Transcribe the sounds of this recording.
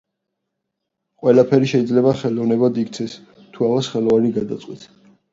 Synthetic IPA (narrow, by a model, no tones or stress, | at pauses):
qʼwɛlapʰɛɾiʃɛid̪zlɛbaχɛlɔvnɛbad̪ikt̪sʰɛs | t̪ʰuavasχɛlˠɔvaniɡad̪at̪sʼqʼwit̪ʰ